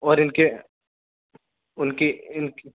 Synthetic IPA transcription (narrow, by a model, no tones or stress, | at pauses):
ɔːɾɪnke | ʊnkeɪnk